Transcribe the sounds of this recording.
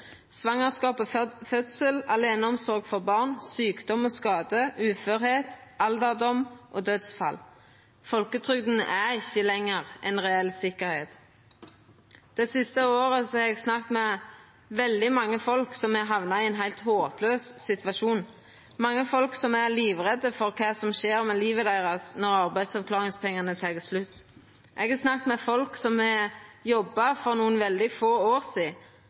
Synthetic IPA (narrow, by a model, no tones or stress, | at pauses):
sʋɑŋəʁskɑːpofœt̪səlɑleːnəɔmsɔʁɡfɔʁbɑʁnsyːkd̪ɔmoːskɑːd̪əʉːføːɾheːt̪ʔɑld̪əʁd̪ɔmʔoːd̪øːd̪sfɑ̰l | fɔlkət̪ʰʁʏɡd̪n̩ə̰ʔæɪçːəlɛŋːəʁʔɛnʁɛɛlsɪkəɾhḛːt̪ | d̪̥ɛsɪst̪əoːʁəsɔhɑʁɛɡsnɑk̚t̪mɛ | ʋɛld̪ɪmɑŋːəfɔlksɔmɛɦɑʋnɑɪɛnɦæɪlt̪hoːpløːssɪt̪ʋɑʃuːn | mɑŋːəfɔlksɔmæliːʋʁɛd̪əfɔʁkʰɑːsɔmʃeːɾmɛliːʋəd̪æɪʁɑsnɔʁɑʁbæɪd̪sɑʋkʰlɑːʁɪŋspʰɛŋːɑnət̪ʰɑːɡəslʉt̪ː | ʔɛɡæsnɑkt̪mɛfɔlksɔmɛjɔbːɑfɔʁnuːənʋɛld̪ɪfoːoːʁsiː